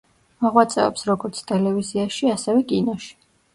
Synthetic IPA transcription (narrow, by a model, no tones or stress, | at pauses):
mɔʁwat̪sʼɛɔ̰psɾɔɡɔɾt̪sʰt̪ʼɛlɛviziaʃiasɛvɛkʼinɔʃi̥